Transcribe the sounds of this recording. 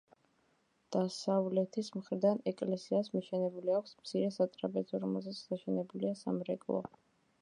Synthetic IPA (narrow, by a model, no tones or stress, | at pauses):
d̪̥asavlɛt̪ʰismχɾiɾd̪anɛkʼlɛsiasmiʃɛnɛbuliakʷʰsmt̪sʰiɾɛsat̪ʼɾabɛzɔɾɔmɛlˠzɛt̪sʰd̪aʃɛnɛbuliasamɾɛkʼlˠɔ̰